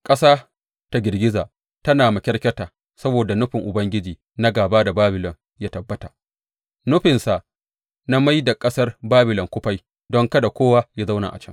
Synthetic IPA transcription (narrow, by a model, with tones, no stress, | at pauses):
kʼɐ˦saː˦ | ta˦ɡʲɪ˨rɡʲɪ˦zaː˨ | tɐ˦naː˨ma˨kʲɛ˦ɽkʲɐ˦taː˨ | sɐ˦boː˨da˨nʊ˦ɸɪ˨ŋʔʊ˨bɐ˦ŋɡʲɪ˦d͡ʒiː˨ | na˦ɡaː˨baː˦da˨baː˦bɪ˨lɔ˨ŋ | jaː˦tɐ˨bːɐ˦ta̰˨ʔ | nʊ˦ɸɪ˨nsa˨ʔ | na˦ma˦jda˨kʼɐ˦sɐ˦rbaː˦bɪ˨lɔ˨ŋkʷʊ˦ɸa˦j | dɔ˦ŋkɐ˦da˨kʷoː˦wa˦ja˦za˦wna̰˨ʔa̰˨t͡ʃɛ˦ŋ